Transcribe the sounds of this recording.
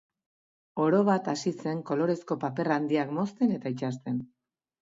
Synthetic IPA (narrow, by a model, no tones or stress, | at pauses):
o̞ɾo̞βat̪asise̞ŋko̞lo̞ɾe̞sko̞pape̞rand̪iakmo̞st̪e̞ne̞t̪ait͡ʃast̪e̞n